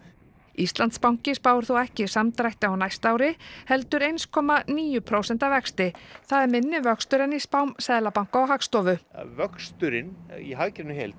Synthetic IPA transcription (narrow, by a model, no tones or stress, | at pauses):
ist̪lant̪spawŋ̥cɪspaːwʏɾ̥θuɛhcɪsamt̪ɾajht̪ɪawnajst̪aːwɾɪhɛlt̪ʏɾejnskʰɔːmaniːjʏpʰɾowsɛn̥t̪avɛkst̪ɪθaðɛɾmɪnːɪvœkst̪ʏɾɪnispawmsɛːðlapawŋ̥kaawɦakst̪ɔvʏvœkst̪ʏɾɪniɦaɣcɾɪnʏɦḛjlt̪